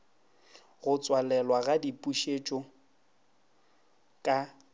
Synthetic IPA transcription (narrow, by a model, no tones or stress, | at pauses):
ɣʊt͡sʼwalɛlwaɣadipʼuʃet͡ʃʼɔ | kʼa